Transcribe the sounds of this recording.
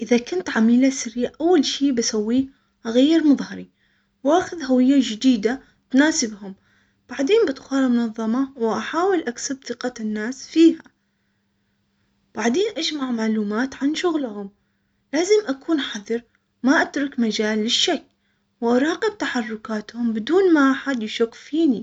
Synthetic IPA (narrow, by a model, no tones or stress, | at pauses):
ʔɪðakʊnt̪ʕamiːlasaɾiːʕʔawːalʃiːbasawːiː | ʔaɣajːɪɾmʊðˤhɑɾi | wʔaːxʊðhawɪjːad͡ʒɪd̪iːd̪a | t̪naːsɪbhʊm | b̥aʕd̪eːnbɪt̪xɑːɾˤmʊnɑðˤːɑmɑwʔaħaːwɪlʔaksabθɨqɑnːaːsfiːha | b̥aʕd̪eːnʔad͡ʒmaʕmaʕluːmaːt̪ʕanʃʊɣlhʊm | laːzɪmʔakuːnħaðˤɨɾˤ | maʔat̪ɾˤʊkmad͡ʒaːlːɪʃːakː | wʔaɾˤɑːqɪb̚t̪aħɑrˤːʊkaːt̪hʊmbɪd̪uːnmaʔaħad̪jɪʃʊkːfiːni